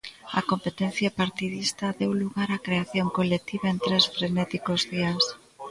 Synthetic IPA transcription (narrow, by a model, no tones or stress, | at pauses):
ɐ̰kompet̪en̟θjapaɾt̪iðist̪ɐðewluɣaɾakɾeaθjoŋkolek̚t̪iβaent̪ɾesfɾenɛt̪ikozðias